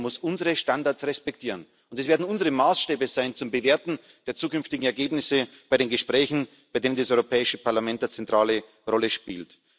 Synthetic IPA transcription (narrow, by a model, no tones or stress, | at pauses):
mʊsʔʊnzəʁəʃtandaɐsʁɛspɛk̚tʰiːʁən | ʔʊntɛsveːɐdn̩ʊnzəʁəmaːsʃtɛːbəzaɪnt͡sʊmbəveːɐtn̩ | d̥eːɐt͡suːkʏnftɪɡŋ̩ɛɐɡeːbnɪsəb̥aɪɾeːnɡəʃpʁ̥ɛːçn̩ | b̥aɪdeːnəndasɔʏʁopʰɛːɪʃəpʰaɐlamɛnt̚at͡sɛntʁ̥aːlə | ʁɔləʃpḭːlt